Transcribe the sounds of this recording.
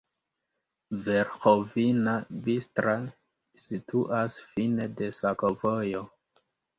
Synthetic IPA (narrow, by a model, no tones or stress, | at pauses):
ve̞ɾxovinabistɾa | sitʰuʔasfine̞de̞sako̞vojo̞